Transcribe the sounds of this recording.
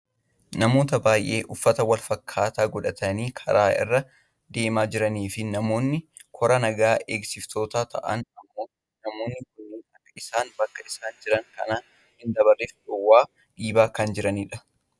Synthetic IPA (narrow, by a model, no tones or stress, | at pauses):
nɐmo̞ːt̪ɐbaːjʔe̞̰ːʔʊfːɐt̪ɐwɐlfɐkʰːaːt̪aːɡɔᶑɐt̪ɐniːkʰɐ̰ɾaːʔɪ̰rːɐ | d̪e̞ːmaːd͡ʒɪɾɐniːfɪnɐmo̞ːnːɪkʰɔɾɐnɐɡaːʔeːɡsɪft̪ʰo̞ːt̪aːt̪ʰɐ̰ʔɐ̰nɐmːo̞ː | nɐmo̞ːnːɪkʊnːɪnɐkːɐʔɪsaːnbɐkːɐɪsaːnd͡ʒɪɾɐŋkɐ̰na | hɪnd̪ɐbɐrːeːfᶑʊwːaː | ᶑiːbaːkɐnd͡ʒɪɾɐniːᶑɐ̥